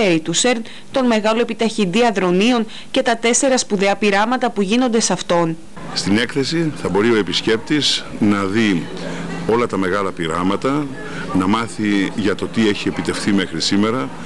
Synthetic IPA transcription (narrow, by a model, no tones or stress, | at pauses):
eɾit̪useɾn | t̪o̞nme̞ɣɐlo̞epit̪ɐçind̪iɐðɾo̞nio̞n | ce̞t̪ɐt̪e̞se̞ɾɐspuðe̞ɐpiɾɐmɐt̪ɐpuʝino̞nd̪e̞sɐft̪o̞n | st̪ine̞kθe̞siθɐbo̞ɾio̞e̞pisce̞p̚t̪iznɐði | o̞lɐt̪ɐme̞ɣɐlɐpiɾɐmɐt̪ɐ | nɐmɐθiʝɐt̪o̞t̪ie̞çie̞pit̪e̞fθime̞xɾisime̞ɾɐ